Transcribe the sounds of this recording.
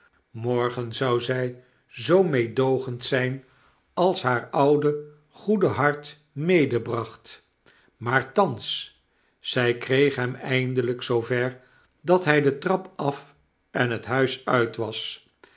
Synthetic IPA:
mɔɹχənzɑwzɛj | zowmejdowχəntsɛjn | ɑlˠsɦaːɹɑwdə | χudəɦɑɹt | mejdəbrɑχt | maːɹtɑns | sɛjkrejχɦɛmɛjndələksowvɛɹ | dɑtɦɛjdətrɑpɑf | ɛnɦətɦœɥsœɥtʋɑs

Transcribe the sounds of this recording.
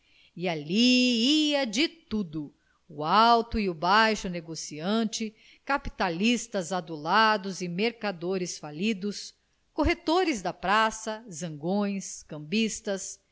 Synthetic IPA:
ialiiɐd͡ʒɪt̪ud̪ʊ | ʊawt̪ʊiʊbajʃʊneɡosiɐ̃nt͡ʃɪ | kapit̪alist̪ɐzad̪ulad̪ʊzɪmeɾkad̪oɾɪsfalid̪ʊs | koɦet̪oɾɪzd̪ɐpɾasɐzɐ̃ŋɡõj̃skɐ̃mbist̪ɐs

